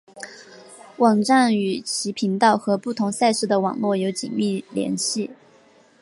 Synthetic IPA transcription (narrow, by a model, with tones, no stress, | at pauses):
wɑ˨˩ŋʈ͡ʂa˥˩ŋy˨˩t͡ɕʰi˧˥pʰi˧˥ŋt̪ɑ˥˩ʊxɤ˧˥pu˥˩t̪ʰʊ˧˥ŋsa˥˧ɪʂɻ̩˥˩d̪ə˩˨wɑ̰˨˩ŋlwɔ˥˩jo˧˥ʊt͡ɕḭ˨˩nmi˥˩ljɛ̰˧˥nɕi˥˩